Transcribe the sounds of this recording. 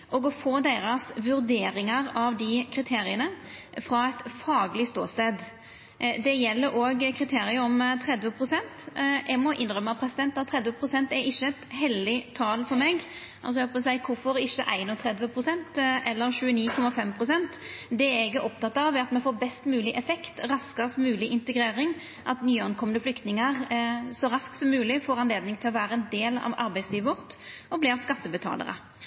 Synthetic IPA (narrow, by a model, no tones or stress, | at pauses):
ʔɔɡɔfoːd̪eːɾɑsʋʉɾd̪eːɾɪŋɑɾɑʋd̪ɪkʰɾɪt̪ʰeːɾɪənə | fɾɑæɪt̪fɑːɡlɪst̪o̰ːst̪eːd̪ | d̪ɛjɛlːəɾʔoːɡkʰɾɪt̪ʰeːɾɪəɾɔmt̪ʰɾɛd̪ʋəpʰɾʊsɛnt̪ʔɛɡmɔʔɪnɾœmːəɑpʰɾɛsɪd̪ɛnt̪ːɑt̪ʰːɾɛd̪ʋəpʰɾʊsɛnt̪ɛɾɪʃːəɛt̪ɦɛld̪ɪt̪ʰɑːlfɔɾmɛɡ | ʔɑlsɔɛhoːpəsæɪkʰʊfɔɾɪʃːəʔæ̰ɪnʊt̪ʰɾɛd̪ʋəpʰɾʊsɛnt̪ʔɛlːəɾɕʉːəniːkʰɔmːɑfɛmpʰʁʊsɛnt̪d̪ɛɛɾɪɡːəʔɔp̚t̪ɑt̪ːɑʋɛɑt̪mɛfoːɾbɛst̪mʉːlɪʔɛfɛkt̪ɾɑskəst̪mʉːlɪʔɪnt̪əɡɾeːɾɪŋ | ʔɑt̪nyːɑnkʰɔmənəflʏkt̪nɪŋəʁsɔɾɑsksɔmːʉːlɪfoːɾɑnleːd̪nɪŋt̪ʰɪlɔʋæːɾəɛnd̪eːlɑ̰ʋɑ̰ɾbæɪsliːʋəʋɔʁt̪ɔblɪːʁskɑt̪ːəbət̪ʰɑ̰ːlə̰ɾə̰